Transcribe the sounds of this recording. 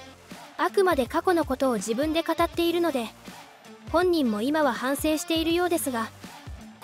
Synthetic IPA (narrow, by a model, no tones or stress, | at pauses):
akɯ̟mad̪e̞kako̞no̞ko̞t̪o̞ːʑibɯ̟̃nd̪e̞kat̪at̪ːe̞iɾɯ̟no̞d̪e̞ | hõ̞ɲ̟ːĩmːo̞imaβahãɰ̃sẽ̞ːɕi̥t̪e̞iɾɯ̟jo̞ːd̪e̞sɨɡa